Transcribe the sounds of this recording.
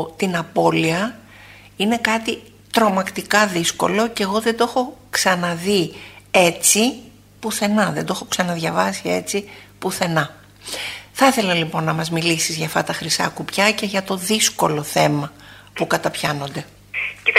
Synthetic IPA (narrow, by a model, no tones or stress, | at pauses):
t̪inɐpo̞liɐ | ine̞kɐt̪i | t̪ɾo̞mɐkt̪ikɐðisko̞̰lo̞ce̞ɣo̞ðed̪o̞xo̞ksɐnɐðiet͡si | puθe̞nɐðend̪o̞xo̞ksɐnɐðʝɐvɐsie̞t͡sipuθe̞nɐ | θɐθe̞lɐlipo̞nːɐmɐzmilisizʝɐft̪ɐt̪ɐxɾisɐ̰kupçɐce̞ʝɐt̪o̞ðisko̞lo̞θe̞mɐ | pukɐt̪ɐpçɐno̞nd̪e̞ | ci